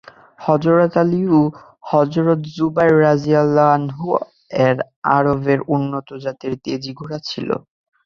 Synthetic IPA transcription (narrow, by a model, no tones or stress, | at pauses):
hɔd͡ʑoɾat̪aliu | hɔzɾot̪zubajɹːazijalːanɦu | ɛɾ | a̰ɹobeɾunːot̪od͡ʑat̪eɾt̪ed͡ʑiɡʱuɾat͡ɕʰilo̰